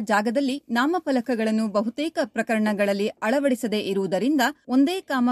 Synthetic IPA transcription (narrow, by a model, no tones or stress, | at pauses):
d͡ʒaːɡɐd̪ɐlːinaːmɐpɐlɐkɐɡɐɭɐnːubɐɦut̪ɛːkɐpɾɐkɐɾɐɳɐɡɐɭɐlːiɐɭɐʋɐɽisɐd̪e̞ʔiɾuʋud̪ɐɾind̪ɐo̞nd̪e̞ːkaːmɐ